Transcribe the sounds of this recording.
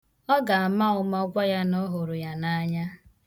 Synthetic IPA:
ɔ˦ɡa˨a˨ma˦ʊ˦m˦ɔ˦ɡʷa˦ja˦nɔ˦ɦo˨ɾʊ˨ja˨na˦ɲa˦

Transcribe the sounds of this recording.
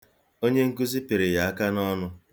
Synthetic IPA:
o˦ɲe˦ŋ̩˦ku˦zi˦pi˨ɾe˨ja˨a˦ka˦nɔ˦nʊ˦

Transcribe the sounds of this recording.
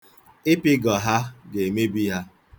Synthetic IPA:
ɪ˦pɪ˦ɡɔ˨ɦa˦ɡe˨me˦bi˦ɦa˦

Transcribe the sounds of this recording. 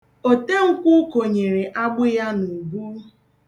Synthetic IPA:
o˨te˦ŋ̩˦kʷʊ˦ko˨ɲe˨ɾe˨ʔa˦ɡ͡bʊ˦ja˦nu˨ɡu˦

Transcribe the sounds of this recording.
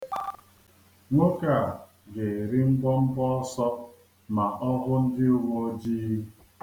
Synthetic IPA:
ŋʷo˦ka˨ | ɡe˨ɾi˦m̩˦bɔ˦m̩˦bɔ˦ɔ˦sɔ˦ | ma˨ʔɔ˦ɣʊ˦n̩˦dɪ˦o˦ŋo˦d͡ʒi˦

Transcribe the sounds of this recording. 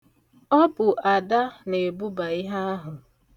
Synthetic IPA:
ɔ˦bʊ˨ʔa˨da˦ne˨bu˦ba˨ɪ˦ɦa˦a˦ɦʊ˨

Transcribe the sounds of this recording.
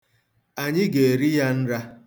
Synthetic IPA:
a˨ɲɪ˦ɡe˨ɾi˦ja˦n̩˦ɾa˦

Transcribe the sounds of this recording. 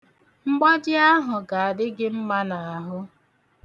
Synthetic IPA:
ŋ͡m̩˦ɡ͡ba˦d͡ʒɪ˦a˦ɦʊ˨ɡa˨a˨dɪ˦ɡɪ˦m̩˦ma˦na˨a˨ɦʊ˦

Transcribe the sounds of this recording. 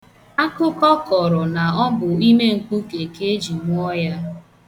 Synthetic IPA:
a˦kʊ˦kɔ˦kɔ˨ɾɔ˨na˨ɔ˦bʊ˨i˦me˦ŋ̩˨k͡pʊ˦ke˨ke˦e˦d͡ʒi˨mʊ˦ɔ˦ja˦

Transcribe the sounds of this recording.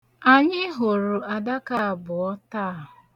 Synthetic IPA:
a˨ɲɪ˦ɦo˨ɾu˨a˨da˦ka˦a˨bʊ˨ɔ˦ta˦a˦˨ɦʊ˨

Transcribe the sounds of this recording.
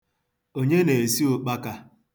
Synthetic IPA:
o˦ɲe˦ne˨si˦ʊ˨k͡pa˦ka˦

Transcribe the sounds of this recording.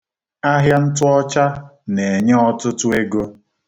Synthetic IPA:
a˦ɦja˦n̩˦tʊ˦ɔ˦t͡ʃa˦ne˨ɲe˦ɔ˦tʊ˦tʊ˦e˦ɡo˦

